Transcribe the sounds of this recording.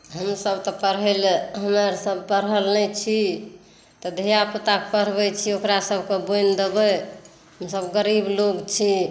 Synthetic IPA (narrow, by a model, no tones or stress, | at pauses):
ɦəmsəbt̪ɔpəɾɦelɦəməɾsəbpəɾəlnɛt͡ʃʰi | t̪ɔd̪ʱijapət̪ak̚pəɾ̤bɛt͡ʃʰiokɾasəbʱkebojnd̪əbɛ | ɦəmsəbɡəɾibloɡt͡ʃʰi